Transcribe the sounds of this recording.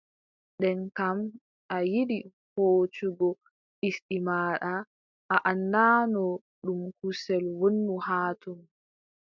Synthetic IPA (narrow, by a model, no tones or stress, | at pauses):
ɗɛnkam | ʔajiɗi | hoːt͡ʃuɡɔ | isɗimaːɗa | ʔaʔandanɔ | ɗumkusɛlwonːuhaːtum